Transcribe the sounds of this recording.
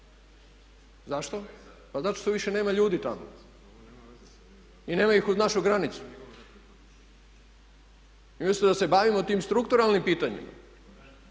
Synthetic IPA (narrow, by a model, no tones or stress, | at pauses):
zaʃt̪o̞ | pazat̪o̥ʃt̪oʋiʃe̞ne̞ːmaʎuːd̪it̪amo̰ | ine̞ːmaixuznaʃuɡɾanit̪su̥ | imislid̪ase̞baːʋimot̪iːmst̪ɾukt̪uɾalˠnimpiːt̪aɲḭma̰